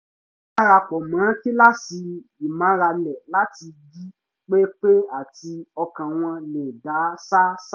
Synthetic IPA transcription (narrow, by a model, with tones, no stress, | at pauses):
a˦ɾa˧k͡pɔ˨mã˨˦ki˦la˦si˧i˨mã˨˦ɾa˧lɛ˨la˦ti˧ɡi˦ | k͡pe˦k͡pe˦a˦˨ti˧ɔ˧kã˨w̃ɔ̃˧nẽ˨da˨˦sa˦s